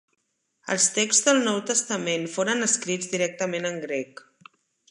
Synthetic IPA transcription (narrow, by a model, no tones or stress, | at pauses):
ə̰lˠst̪ekzðəlˠnɔwt̪əst̪əmenfoɾənəskɾid͡zðiɾɛk̚t̪əmenəŋɡɾɛk